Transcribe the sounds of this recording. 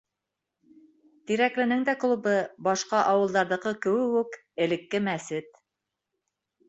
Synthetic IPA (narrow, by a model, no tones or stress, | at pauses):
t̪iɾæklɘ̆nɘŋd̪æklˠubɤbɑʃqɑʔɑwɤ̆lˠd̪ɑɾðɤ̆qɤkɘ̆wɘ̆wɘk | ɘ̆lɘ̆kːɘmæsɘt̪